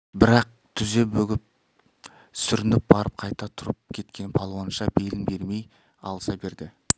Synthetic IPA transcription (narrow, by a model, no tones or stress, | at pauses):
bɪɾɑq̚t̪ʰʏze̞bɵɡʲɪp̚ | sʏɾɪnɪp̚bɑɾəp̚qʰɑjt̪ɑt̪ʰʊɾəp̚kʲʰe̞t̪kʲe̞nɪpʰɑlˠwɑnʃɑbe̞lɪnbe̞ɾme̞j | ɑ̰lˠəsɑbe̞ɾd̪ɪ